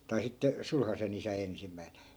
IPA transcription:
tɑi sitːe sulhɑsen isæ ensimˑæin̞

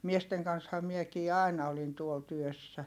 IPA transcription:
miesteŋ kɑnshɑ miekiː ɑˑinɑ olin tuol tyøsːæ

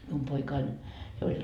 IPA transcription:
mium poikɑin jo olʲ

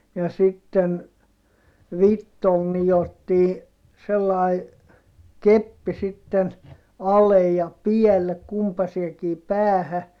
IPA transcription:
jɑ sitːen ʋitːol nijotːiː selːɑˑi kepːi sitːen ɑlej jɑ piɛlːek kumpɑseːkiː pæːhæ

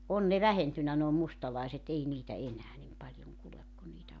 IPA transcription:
on ne ʋæhentynːæ noː mustɑlɑˑiset ei niːtæ enæː nim pɑlʲjoŋ kulek ku niːtæ

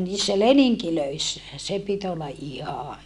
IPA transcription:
niːsːæ leniŋkiløisːæ se pit olːɑ ʔihɑ

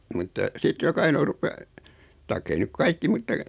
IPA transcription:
mutːɑ sit jok ɑinoˑ rupe tɑikː ei nyk kɑikːi mutːɑ

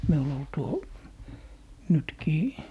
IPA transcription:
miul ol tuo nytkiː

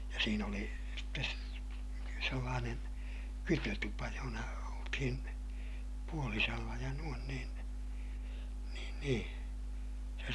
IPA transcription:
jɑ siːn oli sitːe selːɑːnen kytøtupɑ johonɑ oltihin puoliselːɑ jɑ nuon niːn niːn nĩː se

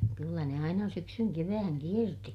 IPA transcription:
kylːæ ne ɑinɑ syksyŋ keʋæːŋ kierti

